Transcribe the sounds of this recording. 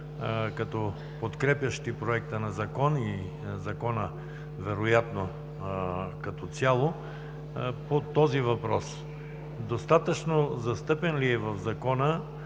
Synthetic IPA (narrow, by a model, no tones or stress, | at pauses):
kɐt̪ɔ | pot̪kɾɛpʲjɐʃt̪ipɾoɛk̚t̪ənɐzɐkɔni | zɐkɔnə | vɛɾojat̪no | kɐt̪ɔt̪sjalˠo | pot̪ɔzivɐpɾɔs | d̪ost̪at̪ət͡ʃnozɐst̪ɤpɛnliɛvɐvzɐkɔnə